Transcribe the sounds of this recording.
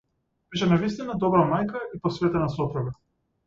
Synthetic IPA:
b̥iʃ̬ɛnavis̬t̪inad̪ɔbɾamajkaipɔsvɛt̪ɛnasɔt̪ɾɔɡa

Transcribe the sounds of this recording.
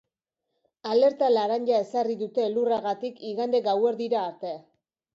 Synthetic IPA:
ale̞ɾt̪alaɾaɲʎae̞sariðut̪e̞luraɣat̪ikiɣand̪e̞ɡawe̞ɾðiɾaːɾt̪e̞a

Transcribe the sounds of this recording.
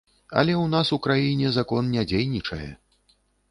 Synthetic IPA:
ɐ̰lʲɛwnasukɾajinʲɛzakɔnnʲad͡zʲejnʲit͡ʂɐjɛ̰

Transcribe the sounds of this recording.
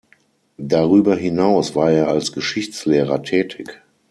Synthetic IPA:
daʁyːbɐɦɪnaʊsv̥aːɐeːɐalsɡ̥əʃɪçt͡sleːʁɐtʰɛːtʰɪk

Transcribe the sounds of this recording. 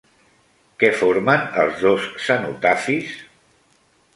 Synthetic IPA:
kɛfoɾmənəlˠzðosːənṵt̪afis

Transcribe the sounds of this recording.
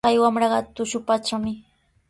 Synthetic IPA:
ajwamɾɑɢɑt̪ʊʃʊpat͡ʃamɪ

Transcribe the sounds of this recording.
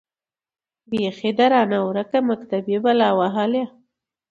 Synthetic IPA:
bexed̪aɾɑnawɾakamakt̪abjebalɑwaɦalja

